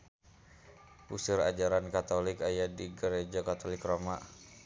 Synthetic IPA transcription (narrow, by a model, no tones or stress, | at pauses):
ʔusɪɾa̰d͡ʒaɾankat̪olɪkajadiɡəɾed͡ʒakat̪olɪkromaʔ